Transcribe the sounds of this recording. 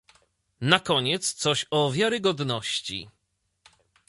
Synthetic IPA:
nakɔɲɛt̪st̪sɔɕɔvʲjaɾɘɡɔd̪nɔɕt͡ɕḭ

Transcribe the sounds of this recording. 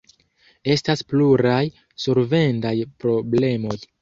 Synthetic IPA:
e̞staspluɾaj | soɾve̞ndajpɾo̞ble̞mo̞j

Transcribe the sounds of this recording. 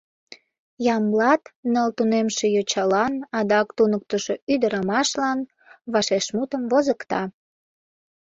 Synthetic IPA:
jɑmlɑt̪nəlt̪unemʃe̽jot͡ɕɑlɑnɑd̪ɑkt̪unək̚t̪əʃoyd̪əɾɑmɑʃlɑn | βɑʃeʃmut̪əmvozəkt̪ɑ

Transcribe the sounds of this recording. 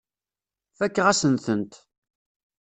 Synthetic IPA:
fækːʁæsənθənt̪

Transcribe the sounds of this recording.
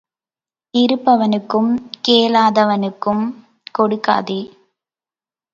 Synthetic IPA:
ɪɾɯpːɐʋɐnɯkːɯmkeːlaːðɐʋɐnɯkːɯm | kɔɽɯkːa̰ːði

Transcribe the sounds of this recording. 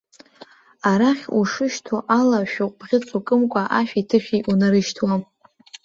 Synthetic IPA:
aɾaχʲuʂɨʃtʰoʔalaʃᶣʊqʷʼbʁʲɪt͡sʰʼukʼɨmkʷʼaʔaʃᶣitʰɨʃᶣʲijʔunaɾɨʃtʰwa

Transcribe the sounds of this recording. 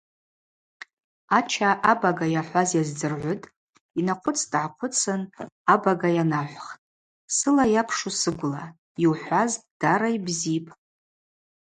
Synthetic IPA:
at͡ʃʰaʔabaɡajaħʷazjazd͡zɨrʕʷʊtʼ | inaqʷʰʊt͡sʰʼdʕaqʷʰʊt͡sʰɨnabaɡajanaħʷχtʼ | sɨlajapʰʂusɨɡʷʊla | jiwħʷazd̥aɾaibzipʼ

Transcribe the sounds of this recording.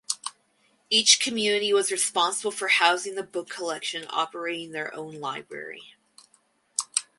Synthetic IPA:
it͡ʃkʰɨmjʉnɨɾiwʌzɹɨspɑ̃nsəbl̩ˠfə˞haʊzɪ̃ŋðɨbʊkʰːəlɛkʃɨ̃nɑ̰pə˞eɪɾɪ̃ŋðə˞ʔõ̰ʊ̃nlaɪbɹɛ̰ɹḭ

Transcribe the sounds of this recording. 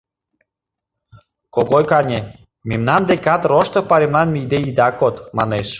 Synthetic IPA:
koɣojkɑnʲe | memnɑnd̪ekɑt̪roʃt̪ɤpɑɾʲemlɑnmijd̪eid̪ɑkot̪mɑ̰neʃ

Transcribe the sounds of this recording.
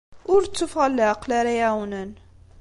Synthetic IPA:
ʊɾt͡sːufʁalːæqlæɾajæwnən

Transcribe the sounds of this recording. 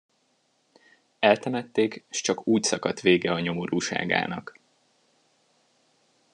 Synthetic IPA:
ɛlt̪ɛmɛt̪ːeːkʃt͡ʃɒkuːcsɒkɒt̪ʋeːɡɛɒɲo̞moɾuːʃa̰ːɡa̰ːnɒk

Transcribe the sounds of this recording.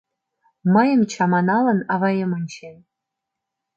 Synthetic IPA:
mɤjɤ̆nt͡ɕʰɑmɑnɑlɤ̆nɑvɑjemə̆nʲt͡ɕʰen

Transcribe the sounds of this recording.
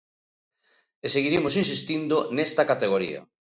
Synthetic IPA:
eseɣiɾemos̬insist̪ind̪onest̪ɐkat̪eɣ̞oɾḭɐ̰

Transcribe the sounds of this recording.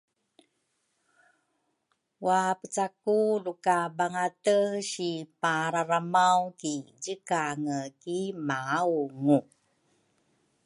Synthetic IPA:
wapət͡sakulukabaŋatəɕipaɾaɾamawkiɟəkaŋəkimaauŋu

